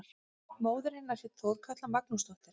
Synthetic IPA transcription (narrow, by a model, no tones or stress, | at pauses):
ɾ | moːwðʏɾejnːaɾsɛt̪θoːwðkʰat̪lamak̚nust̪ɔht̪ɪɾ